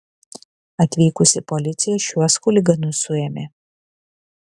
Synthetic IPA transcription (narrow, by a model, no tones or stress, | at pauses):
ɐt̪ʲʋʲiːkʊsʲɪpɔlʲɪt̪sʲɪjɛʃʲuɔskʊlʲɪɡɐnʊsʊemʲe